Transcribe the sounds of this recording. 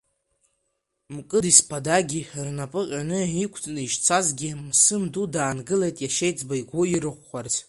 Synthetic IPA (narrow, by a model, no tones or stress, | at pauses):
mkʼɨdispʰadaɡʲirnapʼɨqʲʼanɨikʷʰtʰnɨiʃt͡sʰazɡʲimsɨmdudaːnɡɨlejtʼjaʃejt͡sʼbaiɡʷʊiɾɨχʷːart͡sʰ